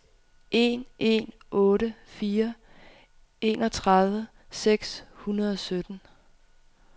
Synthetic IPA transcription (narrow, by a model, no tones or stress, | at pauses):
ʔe̝̰ːnʔe̝̰n | ʔɔ̽ːɾəfiːɐ | ʔe̝ːnɒ̽t͡sʰʁɑðˠʋə | seɡ̥shunɐð̞ˠɒ̽sød̥n̩